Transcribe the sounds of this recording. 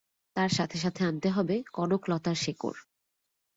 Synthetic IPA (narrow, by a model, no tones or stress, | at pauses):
t̪aɾʃat̪ʰeʃ̬at̪ʰeant̪eɦɔbekɔɖoklɔt̪aɾʃeko̰ɾ